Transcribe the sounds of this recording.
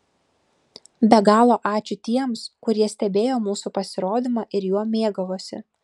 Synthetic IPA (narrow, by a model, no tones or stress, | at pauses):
bʲɛɡɑːlˠoːʔɑːt͡ʃʲʊt̪ʲiɛmskʊɾʲiɛsʲt̪ʲɛbʲeːjoːmuːsuːpɐsʲɪɾoːd̪ʲɪmɑːʔɪɾjuɔmʲeːɡɐʋoːsʲɪ̰